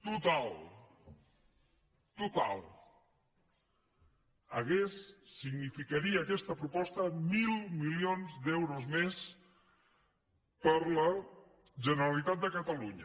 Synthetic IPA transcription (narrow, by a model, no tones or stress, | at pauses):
t̪ut̪alˠ | t̪ut̪a̰lˠ | əɣesːiɡnifikəɾiəːkɛst̪əpɾupɔst̪əmilˠmilionzd̪ɛwɾuzmes | pəɾlə | ʒənəɾəlit̪at̪̚d̪əkət̪əluɲə